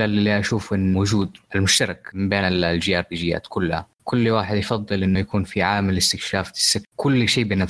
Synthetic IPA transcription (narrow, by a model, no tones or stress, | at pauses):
alɪlːiʔaʃuːfʔɪnːwʊd͡ʒuːd̪ʔalmʊʃt̪ɑɾˤɑkmɪmbeːnɪlld͡ʒɪjaːɾˤbiːd͡ʒɪjːa̰ːt̪kʊlːha̰ | kʰʊlːwaːħɪd̪jɪfɑðˤːɨlʔɪnːʊjakuːnfiʕaːmɪlɪst̪ɪkʃaːfɪ̥sɪkʊlːʃeːbɪna